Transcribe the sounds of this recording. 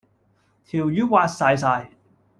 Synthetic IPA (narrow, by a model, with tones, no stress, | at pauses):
t̪ʰi˨˩wjuː˨˥waː˧tsaː˨˧js̬aː˧j